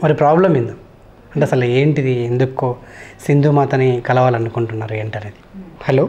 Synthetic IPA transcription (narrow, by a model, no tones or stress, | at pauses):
mɐɾipɾaːblɐmind̪u | ɐɳʈeːɐsɐlueːɳʈid̪iend̪ukːoːsind̪ʱuːmaːt̪ɐnikɐlɐʋaːlɐnukuɳʈunːaːɾue̞ːɳʈɐneːd̪i̥hɐloː